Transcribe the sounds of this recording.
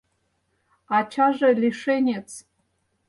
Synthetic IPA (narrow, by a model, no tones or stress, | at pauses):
at͡ʃʰaʐalʲiʂenʲet͡sʰ